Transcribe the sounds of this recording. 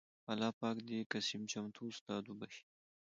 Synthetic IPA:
ɐlɑːpɑːkd̪ekasimt͡ʃamt̪ʰuːst̪ɑːd̪ubɐʃi̥

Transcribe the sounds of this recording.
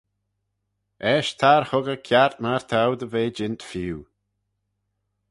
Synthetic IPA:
ɛʃt̪ʰaɹhʊɡəkʰjaɹt̪̚maɹt̪ʰawd̪əveːd͡ʒɪnt̪fiw

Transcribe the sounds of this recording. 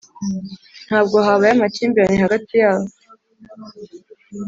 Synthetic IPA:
n̥haːb̚ɡo̞ɦaβajamat͡ʃiːmbiɾanihaɡatʰijaːβo

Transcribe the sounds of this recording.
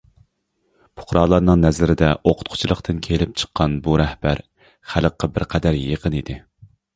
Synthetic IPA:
pʰʊ̥χɾɑːlˠɑɾnɨŋnɛzlɪɾɪd̪ɛʔoqʰʊt̪qʰʊ̥t͡ʃʰilˠəqt̪ʰɨnkʲʰelɪp̚t͡ʃʰə̥qʰːɑnbuɾɛhbæɾ | χæləqːɑbɪɾqʰɛd̪æɾjeqʰənid̪ɪ

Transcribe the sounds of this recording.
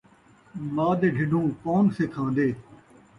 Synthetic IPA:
maːd̪eːɖʱɪɖʱũːkoːnseːt̪ʰãːnd̪eː

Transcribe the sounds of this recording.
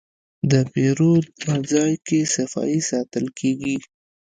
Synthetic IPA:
d̪əpeɾod̪̚pəd͡zɑjkesafɑ̰isɑt̪əlkʰeɡi

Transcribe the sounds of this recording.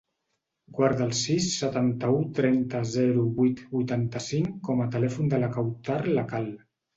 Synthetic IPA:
ɡwaɾðəlˠsisːət̪ant̪əut̪ɾɛnt̪əzɛɾuβujt̪bujt̪ant̪əsiŋkɔmət̪əlɛfund̪ələkawt̪arləkalˠ

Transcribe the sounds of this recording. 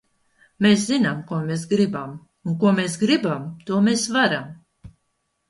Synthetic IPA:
meːszinamkuɔmes̬ɡɾibam | unkuɔmes̬ɡɾibamt̪uɔmeːsvaɾam

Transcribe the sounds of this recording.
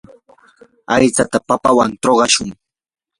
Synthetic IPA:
ajt͡sat̪apapawant̪oɢɑʃʊŋ

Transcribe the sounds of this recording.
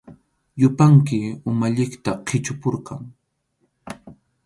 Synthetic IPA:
jʊpaŋkɪʊmaʎɪkt̪aqʰɪt͡ʃʊpʊɾkaŋ

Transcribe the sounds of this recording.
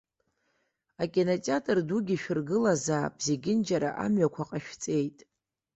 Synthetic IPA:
akʲʼenot͡sʼatʼɨrduɡʲiʃᶣɪrɡɨlazaːbzeɡʲɪnd͡ʒaɾa̰ʔa̰mɥakʷʰaqʼaʃᶣt͡sʼe̞jtʼ

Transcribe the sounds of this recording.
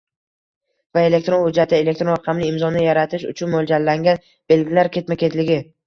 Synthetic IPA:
vae̞le̞k̚ʲt̪ɾo̞nhʊd͡ʒːat̪ʰɪe̞le̞k̚t̪ɾonɾɑqʰɑmlɪɪmzɒnɪjaɾat̪ʰɪʃʊ̰t͡ʃʰʊnmolˠd͡ʒalːaŋɡʲan | b̥e̞lɡʲɪlaɾkʲe̞t̪makʲʰe̞t̪lɪɡʲɪ

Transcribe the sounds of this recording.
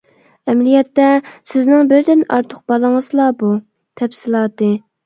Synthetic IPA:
ɛmlijɛt̪ːɛsɪznɪŋbɪɾd̪ɪnɑ̰ɾt̪ʰʊq̚b̥ɑlˠɨŋəzlˠɑbu | t̪ʰɛpsɪlˠɑːt̪ɨ

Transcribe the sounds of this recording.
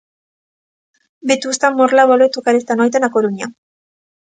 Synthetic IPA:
bet̪ust̪amːoɾlaβoloet̪ukaɾest̪anojt̪anakoɾuɲa

